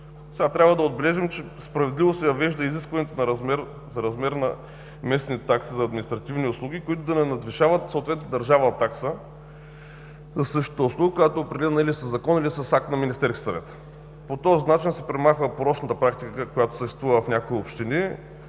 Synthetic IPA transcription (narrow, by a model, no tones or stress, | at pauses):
sɛɡat̪ɾʲabvəd̪ɐod̪̚bɛlɛʒimt͡ʃɛ | spɾɐvɛd̪livosɛjɐvɛʒd̪əiziskvɐnʲɛt̪onɐɾɐzmɛɾ | zɐɾɐzmɛɾnɐ | mɛsnit̪ɛt̪aksizɐːd̪mʲinist̪ɾɐt̪ivniʊslˠuɡikoit̪ʊd̪ɐnɛnɐd̪viʃavət̪sot̪vɛt̪notd̪ɐɾʒavət̪ːaksə | zɐsɤʃt̪o̥t̪əʊslˠuɡəkojat̪oːpɾɛd̪ɛlɛnilisəzɐkɔnilisɐsak̚t̪nɐminist̪ɛɾskʲi̥sɐvɛt̪ə̥ | pot̪ɔzinat͡ʃinsɛ̥pɾɛmaxvəpoɾɔt͡ʃnət̪əpɾakt̪ikəkəkojat̪o̥səʃt̪ɛst̪vuvəvɐfnʲakoiopʃt̪ini